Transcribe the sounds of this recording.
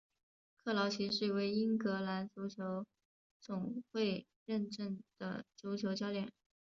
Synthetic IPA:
kʰɤ˥˩lɑ˧˥ʊt͡ɕʰi˧˥ʂɻ̩˥˩we˧˥ɪi˥ŋkɤ˧˥la˧˥nt͡su˧˥t͡ɕʰjo˧˥ʊ | t͡sʊ˨˩ŋxwe˥˧ɪ | ɻə˥˧nʈ͡ʂə˥˩nd̪̥ə̰˩t͡su˧˥t͡ɕʰjo˧˥ʊt͡ɕjɑ˥ʊljɛ˨˩˦n

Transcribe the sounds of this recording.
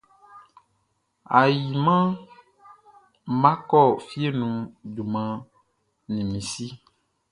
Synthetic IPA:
a˨ji˨mã˦ | mã˦kɔ˦˨fi˦e˦nũ˨du˨mã˨ | nĩ˨mĩ˨si˦

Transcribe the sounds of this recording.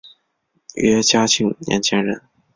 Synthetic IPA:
ɥɛ˥t͡ɕja˥t͡ɕʰi˥˩ŋnjʔɛ̰˧˥nt͡ɕʰjɛ˥nɻə̰˧˥n

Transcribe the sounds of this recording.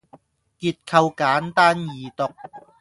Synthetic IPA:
kiː˧t̚kʰɐ˧wkaː˨˥nt̪aː˥njiː˨˩t̪ʊ˨k̚

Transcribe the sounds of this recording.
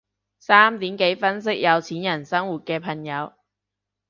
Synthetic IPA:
saː˥mt̪iː˨˥mke˨˥jfɐ˥ns̬ɪ˥k̚jɐ˨˧wt͡sʰiː˨˥njɐ˨˩nsɐ˥ŋwuː˨t̚kɛː˧pʰɐ˨˩ŋjɐ˨˧w

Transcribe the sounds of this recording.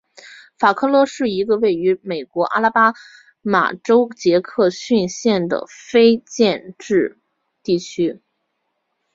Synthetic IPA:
fa˨˩kʰɤ˥˩lwɔ˧˥ʂɻ̩˥˩i˧˥ɡə˧we˥˩ɪy˧˥me˨˩ɪkwɔ˧˥ʔa̰˥la˥pa˥ | ma̰˨˩ʈ͡ʂo˥ʊt͡ɕjɛ˧˥kʰɤ˥˧ɕy˥˧nɕjɛ˥˩nd̪ə̰˩fe˥ɪt͡ɕjɛ˥˧nʈ͡ʂɻ̩˥˧ | t̪i˥˩t͡ɕʰy˥

